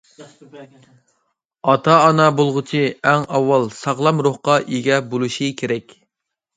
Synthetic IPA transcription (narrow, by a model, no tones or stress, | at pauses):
ɑt̪ʰɑːnɑbolˠʁʊt͡ʃʰiæŋɑwːɑlˠsɑʁlˠɑmɾoχqɑʔiɡʲɛbolˠuʃikʲʰeɾɛkʲ